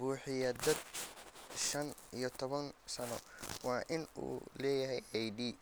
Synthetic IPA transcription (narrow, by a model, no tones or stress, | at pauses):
buːħɪjɐd̪ɐd̪ | ʃɐnijɞt̪ʰɔβɐnsɐnɔ̰wɑːʔɪnṵːlɛːjɐɦɛjɛjd̪iː